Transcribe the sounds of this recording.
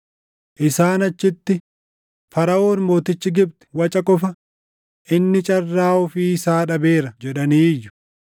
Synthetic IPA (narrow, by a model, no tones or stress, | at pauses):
ʔɪsaːnɐt͡ʃːɪt̪ːɪ | fɐɾɐo̞ːnmo̞ːt̪ɪt͡ʃːɪɡɪb̚t̪ɪ̥wɐt͡ʃʼɐkʼɔfɐ | ʔɪnːɪt͡ʃʼɐrːaːʊfiːɪsaːᶑɐbeːɾɐd͡ʒɛᶑɐniːjːʊ̥